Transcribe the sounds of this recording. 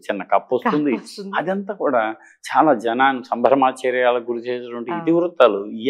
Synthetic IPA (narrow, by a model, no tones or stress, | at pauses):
t͡ʃinːɐkɐpːost̪und̪iɐd̪ɐnt̪aːkuːɽaː | t͡ʃaːlaːd͡ʒɛnaːnusɐmbʱɐɾmaːt͡ʃɐɾjaːlɐɡuɾut͡ʃɛːsɛʈʋɐɳʈiːd̪iʋɾut̪ːaːluiː